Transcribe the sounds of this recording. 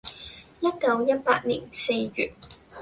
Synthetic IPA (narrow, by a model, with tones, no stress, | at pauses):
jɐ˥t̚kɐ˧wjɐ˥t̚pa̰ː˧t̚nḭː˨˩nse˧jɥy̰ː˨˩t̚